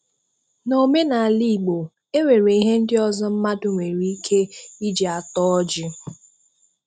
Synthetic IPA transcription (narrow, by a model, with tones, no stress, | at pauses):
no˨me˦na˨a˨li˦˨ɡ͡bo˨ | e˦wʷe˨ɾe˨i˨ɦe˦n̩˦dɪ˦ɔ˨zɔ˦m̩˦ma˦dʊ˨ŋʷe˨ɾi˨i˦kʰe˦i˦d͡ʒe˨a˨tɔ˦ɔ˦d͡ʒɪ˦